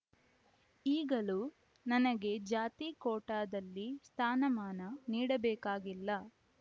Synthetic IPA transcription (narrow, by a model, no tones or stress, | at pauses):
iːɡɐlu | nɐnɐɡe̞d͡ʒaːt̪iːkɔːʈaːd̪ɐlːist̪ʰaːnɐmaːnɐniːɽɐbɛːkaːɡilːɐ